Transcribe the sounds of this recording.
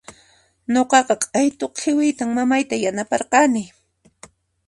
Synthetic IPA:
ɲoqɑqɑqʼajt̪oqʰːɪwɪjt̪aŋmamajt̪ajanapɑɾqɑnɪ

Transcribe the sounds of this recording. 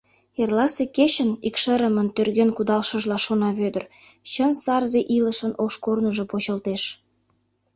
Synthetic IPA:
erlɑseket͡ɕənikʃəɾəmənt̪ørɣenkud̪ɑlʃəʒlɑʃonɑβød̪ər | t͡ɕənsɑrzeʔiləʃənoʃkornuʒopot͡ɕəlt̪eʃ

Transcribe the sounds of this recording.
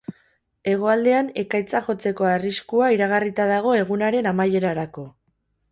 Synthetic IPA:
e̞ɣ̞o̞ald̪e̞ane̞kajt͡saʝo̞t͡se̞ko̞ariskuaiɾaɣ̞arit̪aðaɣ̞o̞e̞ɣ̞unaɾe̞namaje̞ɾaɾako̞

